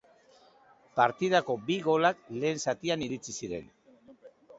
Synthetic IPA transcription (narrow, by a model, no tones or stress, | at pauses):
paɾt̪iðako̞biɣo̞lakle̞ːnsat̪ianiɾit͡sisiɾe̞̰n